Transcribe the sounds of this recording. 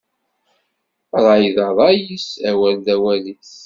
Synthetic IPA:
ðˤɑjðɑðˤɑjisæwæld̪æwæliθ

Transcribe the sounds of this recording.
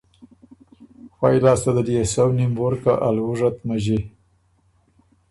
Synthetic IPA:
xwajlɑːst̪ad̪əliesawnimwoɾkaʔalwuʐat̪maʒi

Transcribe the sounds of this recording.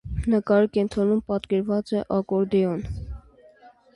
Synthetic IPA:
nəkɑɾikɛnt̪ʰɾɔnumpɑt̪kɛɾvɑt͡sɛʔɑkɔɾd̪ɛɔn

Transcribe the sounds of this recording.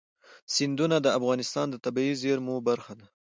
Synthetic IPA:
sɪnd̪unad̪əafɣɑnɪst̪ɑnd̪ət̪abaizeɾmobaɾxad̪a

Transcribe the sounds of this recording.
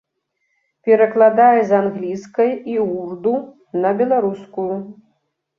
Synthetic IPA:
pʲɛɾɐklˠad̪ajɛzanɣlʲiskɐjiurd̪u | nɐbʲɛlˠaɾuskuju

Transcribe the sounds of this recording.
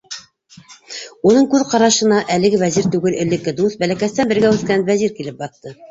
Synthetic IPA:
unɤɴkʉðqɑɾɑʃɤ̆nɑʔælɘ̆ɡɘvæziɾt̪ʉɡɘlɘ̆lːɘ̆kːɘd̪ust̪̚bælækæst̪ænbɘ̆ɾɡæʉθkænvæziɾkilɘp̚bɑθt̪ɤ

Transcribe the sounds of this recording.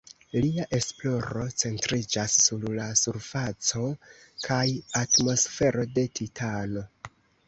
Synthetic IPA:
liaʔe̞splo̞ɾo̞t͡se̞ntɾid͡ʒasːuɾlasuɾfat͡so̞ | kʰajatmo̞sfe̞ɾo̞de̞tʰitʰano̞

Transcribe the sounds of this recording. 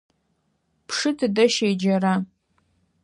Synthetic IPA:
pʰʂɨtʰdaʃejd͡ʒara

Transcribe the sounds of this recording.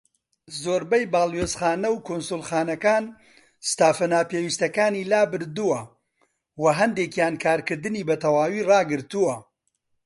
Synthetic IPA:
zoːɾbɐjbaːlˠweːzχaːnɐwkʰonsulˠχaːnɐkaːn | st̪aːfɐnaːpeːwist̪ɐkaːniːlaːbɨɾd̪uwɐ | wɐɦɐnd̪ekjaːnkʰaːɾkɨɾd̪ɨniːbɐt̪ʰɐwaːwiːrɑːɡɨɾt̪uwɐ

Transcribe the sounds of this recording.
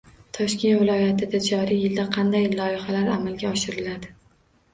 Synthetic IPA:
t̪ʰɒʃkʲe̞nt̪vɪlˠɒjat̪ʰɪd̪ad͡ʒɒɾɪjɪld̪aqʰɑnd̪ajlˠɒɪχalaɾamalɡʲaɒʃɪɾɪlad̪ɪ

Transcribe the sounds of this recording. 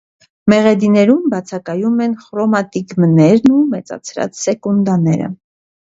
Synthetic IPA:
mɛʁɛd̪inɛɾumbɑt͡sʰɑkɑjumɛnχɾɔmɑt̪iɡmnɛɾnumɛt͡sɑ̰t͡sʰɾɑ̰t͡ssɛkund̪ɑnɛɾə̰

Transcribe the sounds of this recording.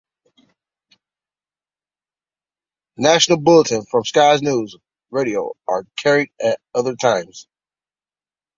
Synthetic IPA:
næʃn̩l̩ˠbʊlˠətɨ̃nfɹʌ̃mskaɪznuz | ɹeɪɾioʊʔə˞kʰɛɹiɾɨɾʌðə˞tʰãɪ̃mz̥

